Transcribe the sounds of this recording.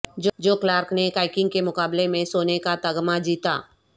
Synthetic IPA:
d͡ʒd͡ʒoːklaːɾknekaːɪkɪ̃ŋɡ̚kemʊkaːblemẽsoːnekat̪ɐɡmad͡ʒiːt̪a̰ː

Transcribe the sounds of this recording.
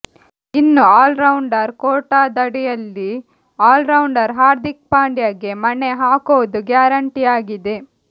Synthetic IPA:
inːuaːlɾɐwɳɖɐɾkoːʈaːd̪ɐɽijɐlːi | aːlɾɐwɳɖɐɾɦaːɾd̪ik̚paːɳɖjɐɡe̞mɐneɦaːkoʋd̪uɡjaːɾɐɳʈijaːɡid̪e̞

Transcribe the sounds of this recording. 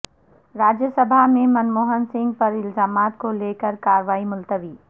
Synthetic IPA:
ɾaːd͡ʒjəsəbʱamẽmɐnmoːɦənsɪ̃ŋɡ̚pɐɾɪlzaːmaːt̪koleːkəɾkaːɾʋaːimʊlt̪əʋiː

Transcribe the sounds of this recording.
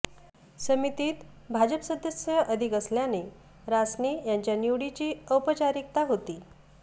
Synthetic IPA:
səmit̪iːt̪ | bʱad͡ʑəpsəd̪əsjəʔəd̪ʱikəsljane | ɾasnijaɲt͡ɕjanjuɽit͡ɕiːəpət͡ɕaɾik̚t̪aɦot̪iː

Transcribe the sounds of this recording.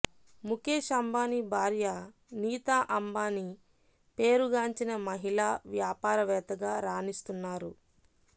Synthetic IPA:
mukeːʃɐmbaːnibʱaːɾja | niːt̪aːʔɐmbaːni | pe̞ːɾuɡaːɲt͡ʃinɐmɐɦilaːʋjaːpaːɾɐʋɛːt̪ɐɡaːɾaːnist̪unːaːɾu

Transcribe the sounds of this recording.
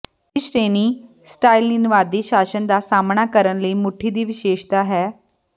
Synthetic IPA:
ɪʃɾeːniː | sʈaːilnɪnʋaːd̪iːʃaːʃənd̪aːsaːmnaːkəɾənləiːmʊʈʰiːd̪iːʋɪʃeːʃt̪aːɦɛː

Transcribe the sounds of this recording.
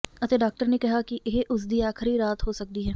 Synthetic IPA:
ɐt̪eːɖaːk̚ʈəɾnekɐɦakɪʔɪɦeʔʊs̬d̪iːaːxʰɪɾiɾaːt̪ɦoːsək̚d̪iːɦɛː

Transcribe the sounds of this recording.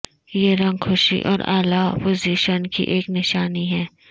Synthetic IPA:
jeɾɐ̃ŋɡxʰʊʃḭʔɔ̰ːɾa̰ːlapoziːʃənkḭʔeːknɪʃaːniɦɛ̃ː

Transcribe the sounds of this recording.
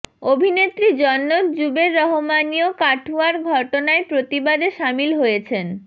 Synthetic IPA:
obʱinet̪ɾid͡ʑɔnːod͡ʑubeɾːɔɦomaniokaʈʰuaɾɡʱɔʈonaepɾot̪ibad̪eʃamilɦojet͡ɕʰen

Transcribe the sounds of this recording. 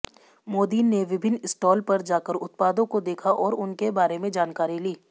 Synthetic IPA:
moːd̪iːnːeʋɪbʱɪnːɪsʈɔːlpɐɾd͡ʒaːkəɾʊt̪̚paːd̪õkod̪eːkʰaʔɔːɾʊnkebaːɾemẽd͡ʒaːnkaːɾiliː

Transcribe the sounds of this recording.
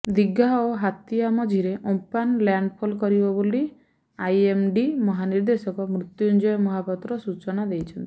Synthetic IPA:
d̪iɡaoɦat̪iamɔd͡ʒʱiɾeʔopanljaɳɖpʰolkɔɾibɔboli | ajemɖimɔɦaniɾd̪esɔkɔmɾut̪jund͡ʒɔjɔmɔɦapɔt̪ɾɔsut͡ʃɔnad̪ejt͡ʃʰɔnt̪i̥

